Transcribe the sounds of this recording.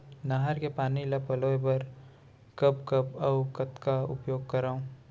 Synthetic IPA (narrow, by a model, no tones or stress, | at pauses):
naɦəɾkepaːnilapɐloːebɐɾ | kɐpkɐpɐkɐt̪kaʊ̰pjoːɡ̚kɐɾaːũ